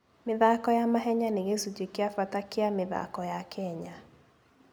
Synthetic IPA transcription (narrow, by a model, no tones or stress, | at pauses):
mɪðakɔjamaɦɛɲaneɣesud͡ʒekeafatakeamɪða̰kɔjakʰɛɲa